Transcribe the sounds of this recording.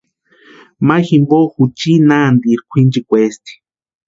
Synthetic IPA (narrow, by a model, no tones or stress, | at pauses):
maximboxut͡ʃinand̪iɾkʷʰind͡ʒikʷest̪i̥